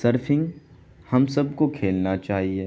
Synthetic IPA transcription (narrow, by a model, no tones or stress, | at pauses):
səɾfʰɪ̃ŋɡ | hɐmsɐb̚kokʰeːlnat͡ʃaːɦieː